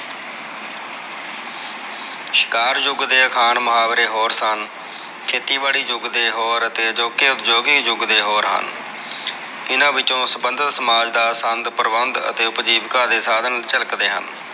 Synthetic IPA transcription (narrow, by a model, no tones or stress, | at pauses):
ʃɪ̥kaːɾd͡ʒʊɡd̪eːəkʰaːɳmʊɦaːʋɾeːɦoːɾsən | kʰeːt̪iːbaːɽiːd͡ʒʊɡd̪eːɦoːɾət̪eːd͡ʒoːkeːʊt̪d͡ʒoːɡiːd͡ʒʊɡd̪eːɦoːɾɦə̰n | ɪnãːʋɪt͡ʃõːsəbənd̪ʱət̪səmaːd͡ʒd̪aːsənd̪pəɾbənd̪ə̰t̪eːʊpd͡ʒiːbkãːd̪eːsaːd̪ənt͡ʃələkd̪eːɦə̰n